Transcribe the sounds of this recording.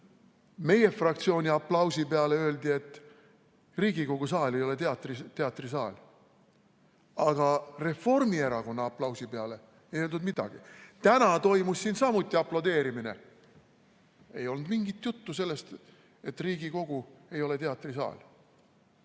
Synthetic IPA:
me̞je̞frɑk̚t̪sio̞ːnʲiɑplɑwsipeɑle̞ø̞ːld̪̥ie̞t̪ːˑ | riːɡ̥iko̞ɡ̥us̬ɑːle̞jo̞le̞t̪eɑt̪ːˑrit̪e̞ɑt̪ːˑrisɑːlʲ | ɑɡ̥ɑre̞fo̞rmie̞ɾɑko̞nːɑɑplɑwsipe̞ɑle̞ | ejøld̪ud̪mid̪̥ɑ̰ɡ̥it̪ænɑt̪o̞jmusːinsɑmut̪ʲːˑiɑplɑd̪e̞ːɾimine̞̰ | e̞jo̞lnd̪miŋɡ̥it̪ːjut̪ːuselːe̞st̪ | e̞t̪ːriːɡiko̞ɡ̥ue̞jo̞le̞t̪e̞ɑt̪ːˑrisɑ̰ːlʲ

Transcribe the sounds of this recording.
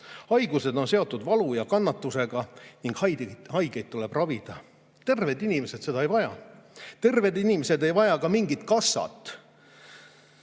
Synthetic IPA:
hɑjɡ̥use̞d̪o̞nse̞o̞t̪ˑːud̪vɑlujɑkɑnːɑt̪ːuseɡ̥ɑniŋɡ̥hɑjhɑjɡejd̪̥̚t̪ːule̞b̥rɑvid̪̥ɑ | t̪e̞rve̞d̪inime̞set̪se̞d̪ɑejvɑjɑt̪e̞rve̞d̪inimese̞d̪e̞jvɑjɑkɑmiŋɡit̪kɑsːɑ̰t̪ːˑ

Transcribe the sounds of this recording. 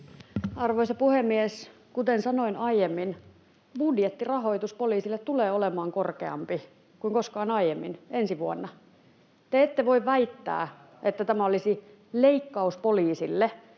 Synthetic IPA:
ɑrʋoisɑpuhemːies | kut̪ensɑnoinɑijemːin | budjet̪ːirɑɦoit̪uspoliːsilːet̪t̪uleːolemɑːŋkorkḛɑ̰mpi | kuiŋkoskɑːnɑijemːḭnensiʋuonːɑ | t̪eet̪ːeʋoiʋʋæit̪ːæ̰ː | ʔet̪ːæt̪æmæolisi | leikːɑuspoliːsilːe

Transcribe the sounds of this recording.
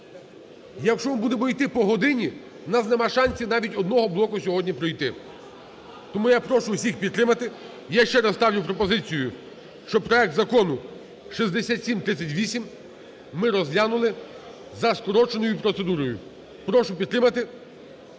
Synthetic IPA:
jɐkʃt͡ʃɔnbud̪ɛmɔjt̪ɪpɔɦɔd̪ɪnʲi | nɑsnɛmɑʃɑnʲsʲinɑʋʲitʲɔd̪nɔɦɔblˠɔkʊsʲɔɦɔdʲnʲipɾɔjt̪ɪ | t̪ɔmujapɾɔʃʊwsʲixpʲid̪̚ːɾɪmɐt̪ɪ | jaʃt͡ʃɛɾɐst̪ɑwnʲʊpɾɔpɔzɪt͡sʲijʊ | ʃt͡ʃɔpɾɔɛk̚t̪zɐkɔnʊ | ʃizd̪esʲat̪ʲsʲimt̪ɾɪt͡sʲːɐtʲʋʲisʲim | mɪɾɔzlʲanʊlˠɪ | zɐskɔɾɔt͡ʃenɔjʊpɾɔt̪sed̪uɾɔjʊ̰ | pɾɔʃʊpʲid̪ɾɪmɐt̪ɪ

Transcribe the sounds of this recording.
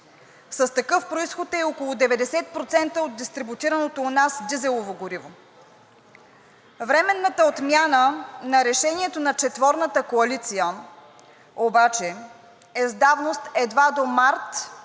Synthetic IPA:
sɐst̪ɐkɤfpɾoisxot̪ɛokolˠʊd̪ɛvɛd̪ɛsɛt̪̚pɾot̪sɛnt̪əod̪̚ːist̪ɾibut̪iɾɐnot̪onasd̪izɛlˠovoɡoɾivo | vɾɛmɛnːət̪əot̪mʲjanənɐɾɛʃɛniɛt̪onɐt͡ʃɛt̪vɔɾnət̪əkoɐlit̪sijə | obat͡ʃɛ | ɛzd̪avnost̪ɛd̪vad̪omaɾt̪

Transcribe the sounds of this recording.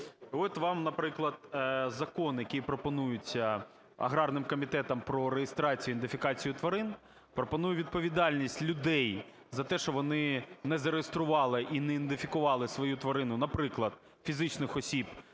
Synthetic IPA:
ɔt̪ʋɑmnɐpɾɪklˠɐd̪zɐkɔnjɐkʲijpɾɔpɔnujʊt͡sʲɐ | ɐ̰ɦɾɑrnɪmkɔmʲit̪ɛt̪ɐmpɾɔɾejest̪ɾɑt͡sʲijʊind̪ɪfʲɪkɑt͡sʲijʊt̪ʋɐɾɪn | pɾɔpɔnujʊʋʲid̪̚pɔʋʲid̪ɑlʲnʲisʲtʲlʲʊd̪ɛj | zɐt̪ɛʃɔʋɔnɪnɛzɐɾejest̪ɾʊʋɑlˠɪʔinɛind̪ɪfʲikʊʋɑlˠɪsʋɔjut̪ʋɐɾɪnʊnɐpɾɪklˠɐd̪̥ | fʲizɪt͡ʃnɪxɔsʲib

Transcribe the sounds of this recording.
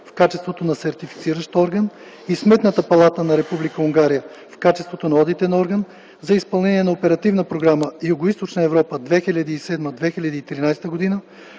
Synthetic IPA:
fkat͡ʃɛst̪vot̪onɐsɛɾt̪ifi̥t̪siɾəʃt̪ɔɾɡən | ismɛt̪nət̪əpɐlˠat̪ənɐɾɛpublikəuŋɡaɾijə | fkat͡ʃɛst̪vot̪onɐɔd̪it̪ɛnɔɾɡən | zɐispɐlˠnɛniɛnɐopɛɾɐt̪ivnəpɾoɡɾaməjʊɡoist̪ot͡ʃnəɛvɾɔpəd̪vɛxilʲɐd̪iːsɛd̪məd̪vɛxilʲɐd̪iːt̪ɾinajst̪əɡod̪inə

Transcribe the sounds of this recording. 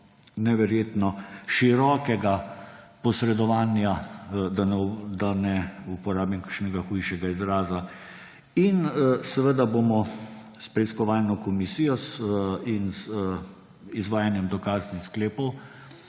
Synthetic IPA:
nɛʋɛɾjeːt̪nɔʃiɾɔːkɛɡapɔsɾɛd̪ɔʋaːnjad̪ad̪anɛupɔɾaːbimkaʃnɛɡaxujʃɛɡaizɾaːza | insɛʋəd̪aboːmɔ | spɾɛiskɔʋaːlnɔkɔmisijɔsins | izʋaːjanjɛmd̪ɔkaːznixskleːpɔw

